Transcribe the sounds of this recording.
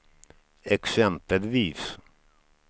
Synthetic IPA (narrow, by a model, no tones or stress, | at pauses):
ɛksɛmpəlviːs